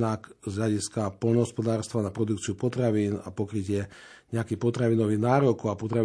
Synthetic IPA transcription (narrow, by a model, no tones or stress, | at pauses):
nakzɦʎaɟiskapɔʎnɔɦɔspɔd̪aːɾst̪ʋanapɾɔd̪ukt͡siupɔt̪ɾaʋiːna̰pɔkɾicɪɛ | ɲɛakiːpɔt̪ɾaʋinɔʋiɣnaːɾɔkuapɔt̪ɾa